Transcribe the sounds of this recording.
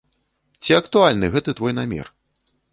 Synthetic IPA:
t͡sʲiɐkt̪ualʲnɨɣɛt̪ɨt̪vɔjnamʲɛ̰r

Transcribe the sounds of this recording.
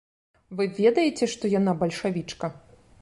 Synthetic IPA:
vɨvʲɛd̪ɐjɛt͡sʲɛʂt̪ɔjanabɐlʲʂavʲit͡ʂkɐ

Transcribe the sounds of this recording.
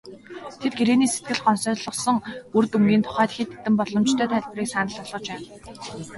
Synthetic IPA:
t̪ʰet̪̚ɡiɾeːniːse̥t̪̚ɡɘ̆ɮɢɔnsœːɮə̆sɞ̆ŋurt̪umɡiːnt̪ʰʊ̥χæːt̪xiːt̪et̪ɘ̆mpɔɮɞ̆mt͡ɕt̪ʰœːt̪ʰæːɮʲp̆riːksanə̆ɮɔɮʁɞ̆t͡ɕæːn

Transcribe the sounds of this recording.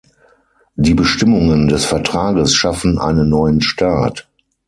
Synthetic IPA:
diːbəʃtɪmʊŋəndɛsfɛɐtʁ̥aːɡəsʃafn̩ʔa̰ɪnənːɔʏənʃtʰaːt

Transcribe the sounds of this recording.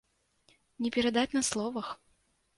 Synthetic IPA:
nʲɛpʲɛɾad̪at͡sʲnɐslˠɔvɐx

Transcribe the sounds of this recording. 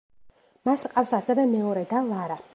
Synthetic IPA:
masqʼafsasɛvɛmɛɔɾɛd̪alˠaɾa

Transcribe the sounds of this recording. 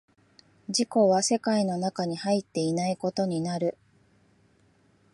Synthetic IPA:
d͡ʑiko̞βase̞kaino̞nakaɲ̟ihait̪ːe̞inaiko̞t̪o̞ɲ̟inaɾɯ̟

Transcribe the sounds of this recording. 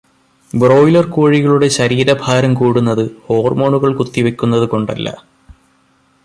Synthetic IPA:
bro̞ːjlɐrkuːɻiɣɐɭuɽe̞ɕɐɾiːɾɐbʱaːɾɐmkuːɽunːɐðɨho̞ːrmo̞ːɳuɣɐɭkut̪ːiʋe̞kʲːunːɐðɨko̞ɳɖɐ̰lːɐ̰

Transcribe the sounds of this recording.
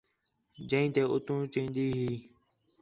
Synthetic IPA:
d͡ʒə̃ĩːt̪eːʔʊt̪ũːt͡ʃĩːnd̪iːɦiː

